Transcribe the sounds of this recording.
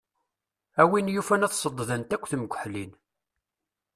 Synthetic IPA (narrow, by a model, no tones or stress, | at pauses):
æwinjufænæθsˤəd̪ˤːðənt̪ækʷːθəmɡʷəħlin